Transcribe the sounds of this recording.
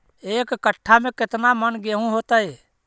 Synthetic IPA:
eːkkəʈʰːamẽkɪt̪namənɡeɦũɦoːt̪əe

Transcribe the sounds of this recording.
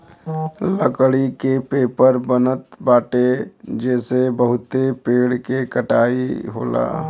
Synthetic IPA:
ləkɽikepeːpəɾbənət̪baːʈed͡ʒɛːsebəɦʊt̪epeːɽkekəʈaːiɦo̰ːla̰ː

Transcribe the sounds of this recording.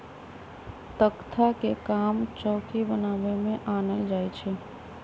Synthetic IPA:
t̪əkt̪ʰakekamt͡ʃɔːkibənaʋemẽʔanəld͡ʒajt͡ʃʰe

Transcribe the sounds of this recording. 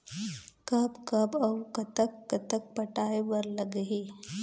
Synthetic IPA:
kəbkɐbɐwkɐt̪əkːət̪ək̚pəʈaeʋəɾləɡɦiː

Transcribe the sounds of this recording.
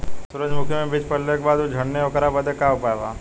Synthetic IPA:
sʊɾəd͡ʒmʊkʰjəmẽbit͡ʃpəllekbaːd̪ud͡ʒʱəɳːeokəɾabəd̪ekaʊpaeʋaː

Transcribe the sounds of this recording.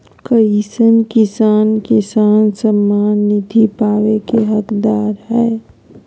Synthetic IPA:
kəisənkɪsaːnkɪsaːnsəmːaːnːɪd̪ʱipaːʋekeɦɐkd̪aːɾɦɛː

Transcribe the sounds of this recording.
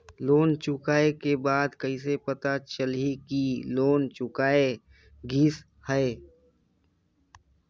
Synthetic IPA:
loːnt͡ʃʊkaːekebaːd̪kɐisepət̪at͡ʃəlɦikiloːnt͡ʃʊkaːe | ɡʱiːs | hɛe

